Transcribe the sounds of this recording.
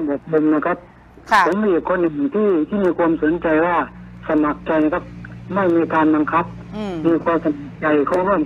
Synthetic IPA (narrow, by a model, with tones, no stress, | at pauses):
bu˨˩k̚ko˧mna˧˩kʰa˧˦˥p̚ | sa˨˦ŋbi˨˩əp̚kʰoː˧˥nːɯ˨˩ŋt̪ʰiː˧˥˩t̪ʰiː˧˥˩miː˧kʰwuː˧əmso˨˦nt͡ɕa˧jwaː˧˩sa˧ma˨˩k̚t͡ɕa˧jna˧˩ka˧˥p̚ma˥˩jniː˧kaː˧nba˧ŋkʰa˦˥p̚ | miː˧kʰuː˧msa˧ma˨˩k̚t͡ɕa˧jkʰɔː˧˩˨ŋhu˧˥˩ə˨